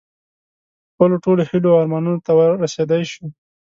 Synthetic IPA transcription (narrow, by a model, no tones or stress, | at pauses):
xpəloʈolohiloɑɾmɑnunot̪awəɾased̪ajʃu